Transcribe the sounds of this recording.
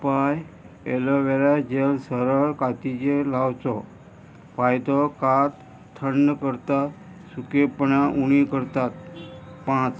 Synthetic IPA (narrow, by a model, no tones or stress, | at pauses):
paj | ḛlɔʋeɾad͡ʑelsəɾəɭkat̪it͡ɕelawt͡sɔ | pajt̪ɔkat̪ | t̪ʰːəɳːəkəɾt̪at̪ | sukepəɳaʔuɽ̃ikəɾt̪at̪̚pãt͡s